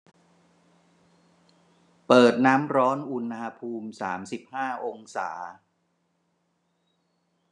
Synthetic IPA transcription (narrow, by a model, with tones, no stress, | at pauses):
pɤː˨˩t̪̚naː˦˥mɾɔː˦˥nʔu˧na˧pʰuː˧msaː˩˦msi˨˩p̚haː˥˩ʔo˧ŋsa̰ː˩˦